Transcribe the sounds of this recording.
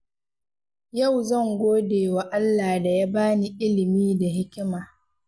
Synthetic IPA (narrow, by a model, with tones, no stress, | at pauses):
ja˦˨wzɐ˦˨ŋɡʷoː˦deː˨wa˨ʔa˦lːaː˨da˨jaː˦baː˦ni˨ʔɪ˦lɪ˨miː˦da˨hɪ˦kʲɪ˦maː˨